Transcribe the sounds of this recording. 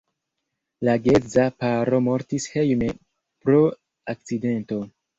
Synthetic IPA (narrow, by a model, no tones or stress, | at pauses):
laɡezapaɾo̞mo̞ɾtishejme | pɾo | ak̚t͡side̞nto̞